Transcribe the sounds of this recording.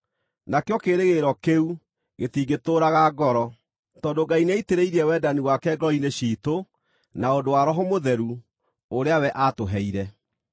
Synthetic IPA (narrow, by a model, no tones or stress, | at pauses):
nakeɔkeːɾeɣeɾɔkeu | ɣetiɡetoːɾaɣaɡɔɾɔ | tɔːndoɡaineiteɾeiɾiɛwɛdaniwakɛɡɔineɕiːto | naondowaɾɔɦomoðɛɾu | oɾeawɛʔatoɦɛiɾɛ